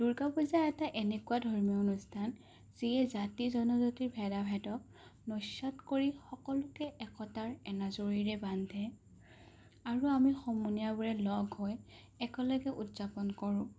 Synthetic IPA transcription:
d̥uɹkabɔzaɛtaʔenɛkuwadʱɔɹmijɔonustʰan | z̥iɛzatizɔnɔzotiɹbʱɛdabʱɛtɔk̚ | nɔsatkoɹixɔkɔlʊkɛʔɛkɔtaɹɛnazoɹiɹɛbandʱɛ | aɹuamixɔmuniabɔɹɛlɔɡʱɦɔj | ɛkɔlɔɡɛʔutz̥apɔnkɔɹʊ̃

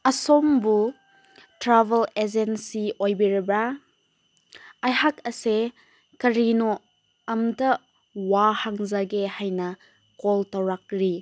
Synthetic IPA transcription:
ɐsombu | tɾabeled͡ʒensiojbiɾɐbɾa | jhakɐse | kɐɾino | ɐmdɐ | wahaŋzaɡehajnɐ | koltɐwɾak̚ɾi

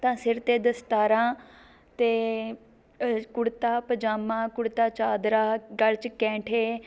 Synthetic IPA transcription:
t̪ãːsɪɾt̪eːd̪əst̪aːɾãː | t̪eː | kʊɽt̪aːpəd͡ʒaːmãːkʊɽt̪aːt͡ʃaːd̪ɾaːɡəlt͡ʃkɛ̃ːʈʰeː

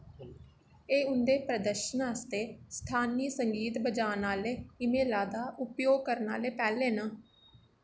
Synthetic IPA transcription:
eːʊnd̪eːpɾəd̪əɾʃənəst̪eːst̪ʰaːniːsəŋɡiːt̪bəd͡ʒaːnaːleːɪmeːlaːd̪aːʔʊpjoːɡ̚kəɾna̰ːleːpɛːleːnaː

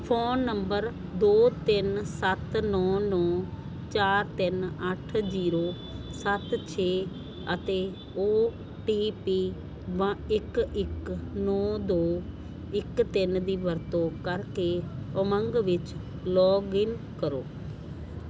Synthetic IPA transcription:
pʰoːnːəmbəɾ | d̪oːt̪ɪnsət̪nɔːnɔː | t͡ʃaːɾt̪ɪnəʈʰd͡ʒiːɾoː | sət̪t͡ʃʰeː | ət̪eː | oː | ʈiːpiː | ʋãːɪkɪknɔːd̪oː | ɪkt̪ɪnd̪iːʋəɾt̪õːkəɾkeːəməŋɡʋɪt͡ʃ | lɔːɡɪnkəɾoː

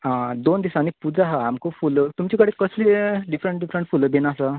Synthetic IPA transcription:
ad̪ond̪isaːñipud͡zaɦaamkofulət̪umt͡ɕikəɽekəsleɖifɾəɳʈ̚ɖifɾəɳʈfuləbenasa

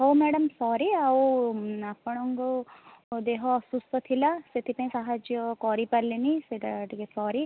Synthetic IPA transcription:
ɦomɛɽɐmsɔːɾiaoapɐɳ̃ɔŋɡod̪eɦɔsust̪ɔt̪ʰilaset̪ʰipɐ̃ĩsaɦad͡ʒjɔkɔːɾipɐɾleniseʈʈikesɔːɾi

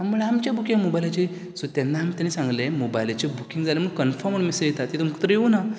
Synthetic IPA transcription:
amːuɭeamt͡ɕjabukĩŋɡmobajlat͡ɕe | sot̪janːaamit̪janisãŋɡlẽmobajlat͡ɕebukiŋɡd͡zaleməɡkənfɔɾməɳmisə̃jet̪at̪ːit̪uməkʰə̥t̪ɾəjeuna

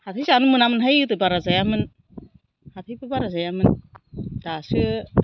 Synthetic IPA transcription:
hatʰɯjzanɯmɯnamɯnɦajtɯbaɾazajamɯn | hat̪ʰɯjbɯbaɾazajamɯnd̥asɯ

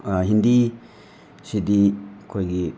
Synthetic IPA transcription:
aɦind̪i | sid̪ikʰojɡi

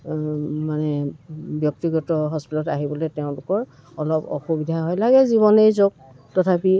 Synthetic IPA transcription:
manɛbjɔk̚tiɡɔtɔɦɔspitɔtaɦibɔlɛtɛʊ̃lʊkɔɹ | ɔlɔpɔ̰xubidʱaɦojlaɡɛziβɔnejzoɡ̚ | tɔtʰapi

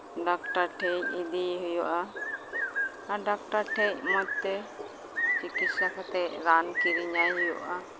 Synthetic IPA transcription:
ɖak̚ʈaɾʈʰɛɲ̚id̪iɦɔjɔʔa | aɖak̚ʈaɾʈʰɛc̚mɔt̚t̪ɛ | t͡ʃikit̪sakat̪ɛʔɾankiɾiɲajɦɔjɔʔa

